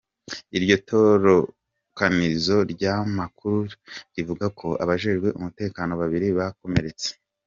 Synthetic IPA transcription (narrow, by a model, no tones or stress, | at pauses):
iɾɟo̞tʰo̞ɾo | kanizo̞ɾɟaːmakuɾuɾivuɡakʰo̞ʔa̰βaʒe̞ʒɡwe̞ʔumute̞ːkaːno̞βaβiɾiβako̞me̞ɾe̞t͡se̥